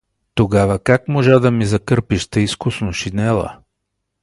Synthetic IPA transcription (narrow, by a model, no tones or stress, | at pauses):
t̪oɡavɐkakmoʒad̪ɐmizɐkɤɾpiʃt̪ɛiskʊsnoʃinɛlˠɐ̰